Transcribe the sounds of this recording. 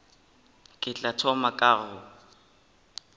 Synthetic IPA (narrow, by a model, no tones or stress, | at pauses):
kʼɪt͡ɬʼatʰɔmakʼaːɣʊ